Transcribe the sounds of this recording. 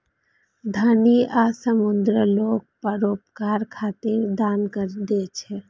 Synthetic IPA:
d̪ʱaːniʔaːsəmʊnd̪ɾəloːɡ̚pəɾoːpkaːɾkʰaːt̪eɾd̪aːnkəɾd̪eːt͡ʃʰɛː

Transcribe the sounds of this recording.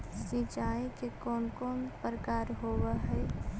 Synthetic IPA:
sĩt͡ʃaːikekɔːnkɔːnpɾəkaːɾɦoːweɦɛ

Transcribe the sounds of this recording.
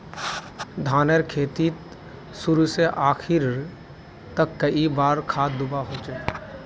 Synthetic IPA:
d̪ʱaːnəɾkʰeːt̪i | sʊɾuseʔaːkʰɪɾ | t̪əkːəibaːɾkʰaːd̪ʊbaɦoːt͡ʃe

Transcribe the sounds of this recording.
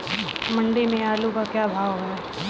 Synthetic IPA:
mɐ̃ɳɖimẽaːlukakjaːbʱaːʋɦɛ

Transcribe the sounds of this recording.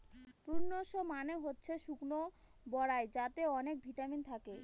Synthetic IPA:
pɾunːoʃomaneɦotːɕʰeʃukno | bɔɽaed͡ʑat̪eɔnek̚bʱiʈamint̪ʰake

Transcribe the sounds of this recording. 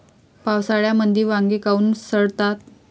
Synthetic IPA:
pawsaɭjamənd̪ʱiːʋãŋɡekauːnsəɽt̪at̪̚

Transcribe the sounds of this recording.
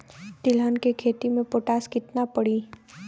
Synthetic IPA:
t̪ɪlɦənkekʰeːt̪imẽpoːʈaːskɪt̪napəɽiː

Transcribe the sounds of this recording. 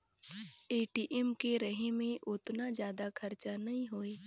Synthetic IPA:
eːʈiːʔɛmkeɾəɦemẽʔʊt̪nazjaːd̪akʰɐɾt͡ʃanɐɦĩɦoːeː

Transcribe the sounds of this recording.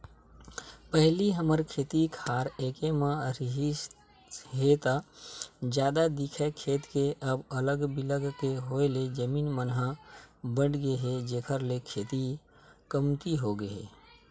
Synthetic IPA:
pəɦliɦəməɾkʰeːt̪ikʰaːɾeːkemãɾɦi | ɦeːt̪a | d͡ʒjaːd̪ad̪ɪkʰekʰeːt̪keʔəbələɡbɪləɡkeɦoːeled͡ʒəmiːnmənɦəbəɽɡeɦed͡ʒeːkʰəɾlekʰeːt̪i | kəmt̪iɦoɡəḛː

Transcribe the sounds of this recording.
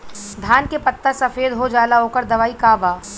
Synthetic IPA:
d̪ʱaːnkepɐt̪ːasɐfeːd̪ɦod͡ʒaːlaɦoːkəɾd̪ɐʋaːikaːbaː

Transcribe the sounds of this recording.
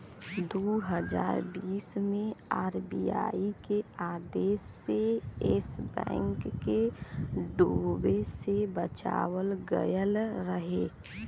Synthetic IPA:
d̪oːɦəd͡ʒa̰ːɾbiːsmẽaːɾbija̰ːikeaːd̪eːsːeɪsbɛ̰̃ːŋkːe | ɖoːbesebət͡ʃa̰ːwəlɡə̰jəlɾəɦeː

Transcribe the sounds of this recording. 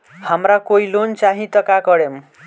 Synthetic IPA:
hamɾakoilont͡saɦĩt̪ʌkakʌɽem

